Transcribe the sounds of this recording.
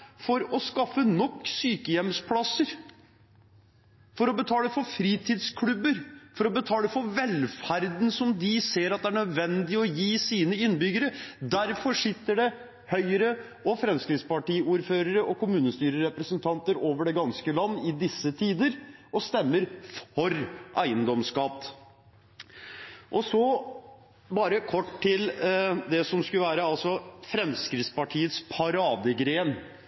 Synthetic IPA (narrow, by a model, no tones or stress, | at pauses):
fɔɾɔskɑfːənɔkːsyːkəjɛmspʰlɑsəɾ | fɔɾɔbət̪ʰɑːləfɔɾfɾiːt̪ʰɪːd̪skʰlʉbəɾfɔɾɔbət̪ʰɑːləfɔɾʋɛlfæɾd̪nsɔmd̪ɪseːɾɑt̪̚d̪ɛæɳœd̪ʋɛnd̪ɪɔjiːsiːnəɪnːbʏɡəɾəd̪æɾfɔʂɪt̪ːəɖɛ | hœʏəɾə | ɔfɾɛmskɾɪt̪spɑʈiːuːɾføːɾəɾəʔɔkʊmʉːnəst̪yːɾəɾɛpɾəsənt̪ʰɑnt̪əɾoːʋəɖɛɡɑnskəlɑnːəɪd̪ɪsːət̪ʰiːd̪əɾɔst̪ɛmːəɾfɔɾʔæɪənd̪ɔmskɑt̪ː | ʔɔsɔ | bɑːɾəkʰɔʈːt̪ɪld̪ɛsɔmskʉləʋæːɾəɑlsɔfɾɛmskɾɪt̪spɑʈʰiːət̪spʰɑɾɑːd̪əɡɾeːn